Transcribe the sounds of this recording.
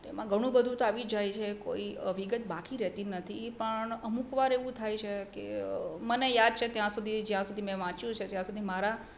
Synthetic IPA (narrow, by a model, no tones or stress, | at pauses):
t̪emãɡʱəɽ̃ũbəd̪ʱũt̪oaʋid͡ʒajt͡ʃʰeko̰iʋiɡət̪̚bakiɾɛt̪inət̪ʰipəɳəmukʋaɾeʋũt̪ʰajt͡ʃʰekḛmənejad̪̚t͡ʃʰet̪jãsud̪ʱid͡ʒjãsud̪ʱimɛ̃ʋãt͡ʃjũt͡ʃʰet̪jãsud̪ʱimaɾa